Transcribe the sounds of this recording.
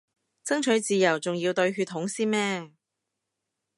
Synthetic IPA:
t͡sɐ˥ŋt͡ʃʰɵ˨˥ɥt͡siː˨˧jɐ˨˩wt͡sʊ˨ŋjiː˧wt̪ɵ˧ɥɦyː˧t̪ʰːʊ˨˥ŋsiː˥nmɛː˥

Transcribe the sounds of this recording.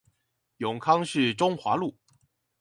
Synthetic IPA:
jʊ˨˩ŋkʰɑ˥ŋʂɻ̩˥˩ʈ͡ʂʊ˥ŋxwa˧˥lu˥˩

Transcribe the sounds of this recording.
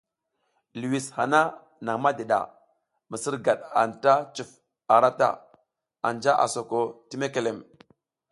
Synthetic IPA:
lu˨wi˨sha˨na˦ | na˨ŋma˦de˨ɗa̰˨ | mə˨si˦ɾɡa˨ɗa̰˨nta˦t͡ʃu˨f | a˨ɾa˦ta̰˦˨ | a̰˨nd͡ʒa˦ʔa̰˨so˨ko˨ti˦me˦ke˨le˨m

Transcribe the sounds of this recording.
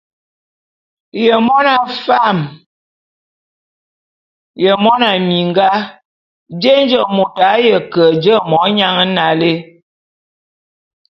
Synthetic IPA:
jə˨mɔ˦na˨fa˦˨m | jə˨mɔ˦na˨mi˨ŋɡa˦ | d͡ʒe˦nd͡ʒə˨mo˨ta˨˦jə˨kə˨d͡ʒə˦mɔ˨˦ɲa˦ŋə˦na˨le˦

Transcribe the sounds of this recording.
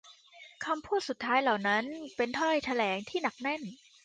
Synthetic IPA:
kʰa˧mpʰuː˥˩t̪̚su˨˩t̪ʰːaː˦˥jla˨˩wna˦˥npe˧nt̪ʰɔ˥˩jt̪ʰa˧lɛː˩˦ŋt̪ʰiː˥˩na˨˩k̚nɛ˥˩n

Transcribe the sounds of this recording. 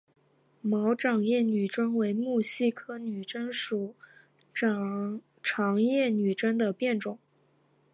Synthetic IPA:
mɑ˧˥ʊʈ͡ʂɑ˨˩ŋjɛ˥˩ny˨˩ʈ͡ʂə˥ŋwe˧˥ɪmu˥˩ɕi˥˧kʰɤ˥ny˨˩ʈ͡ʂə˥nʂu˨˩˦ | ʈ͡ʂʰɑ˧˥ŋjɛ˥˩ny˨˩ʈ͡ʂə˥nd̪ə˨pjɛ˥˩nʈ͡ʂʊ˨˩˦ŋ

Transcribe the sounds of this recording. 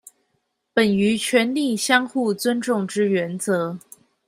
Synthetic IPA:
pə˨˩ny˧˥t͡ɕʰɥɛ˧˥nli˥˩ɕjɑ˥ŋxu˥˩t͡swə˥nʈ͡ʂʊ˥˩ŋʈ͡ʂɻ̩˥ɥɛ˧˥nt͡sɤ˧˥

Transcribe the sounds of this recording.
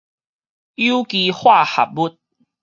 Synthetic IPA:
u˦ki˧hwa˥˧ha̰˨˩p̚bu˦t̚

